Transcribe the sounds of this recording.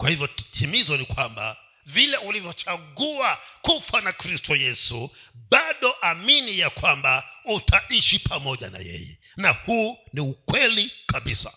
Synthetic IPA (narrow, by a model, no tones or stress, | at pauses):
kwahivjɔtimizɔnikwamba̰ | vilɛulivjɔt͡ʃaɠuakufanakɾistʰɔjɛsuɓaɗɔʔaminijakwambautʰaʔiʃipʰamɔʄa̰na̰jɛ̰jɛ̰ | nahuːniukwɛlikaɓisa